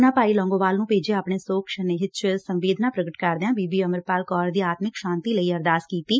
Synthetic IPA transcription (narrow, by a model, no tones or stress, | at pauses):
nãːpaːiːlɔ̃ːŋɡoːʋaːlnũːpeːd͡ʒeːaːpɳeːsoːkʃəneːɦɪt̪ʃʰɪlsə̃mʋeːd̪naːpɾəɡəʈkəɾd̪eãːbiːbiːəməɾpaːlkɔːɾd̪iːaːt̪mɪkʃãːnt̪iːləiːəɾd̪aːskiːt̪iː